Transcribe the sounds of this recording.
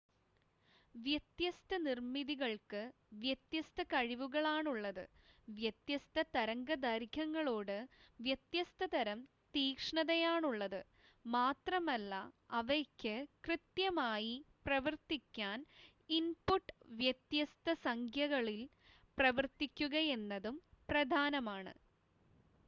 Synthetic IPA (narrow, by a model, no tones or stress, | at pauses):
ʋjɐt̪jɐst̪ɐnirmiðiɣɐɭkɨ | ʋjet̪jɐst̪ɐkɐɻiʋuɣɐɭaːɳuɭːɐðɨ̰ | ʋjɐt̪jɐst̪ɐt̪ɐɾɐŋɡɐd̪ɐɾkɐŋːɐɭoːɽɨʋjet̪jɐst̪ɐt̪ɐɾɐm | t̪iːkʂɳɐðɐjaːɳuɭːɐðɨ | maːt̪rɐmɐlːɐ | ɐʋɐkʲːɨkrɨt̪jɐmaːjiprɐʋɐrt̪ikʲːaːn | inpuʈːʋjɐt̪jɐst̪ɐsɐŋkʰjɐɣɐɭil | prɐʋɐrt̪ikʲːuɣɐe̞nːɐðumprɐd̪ʱaːnɐmaːɳɨ̰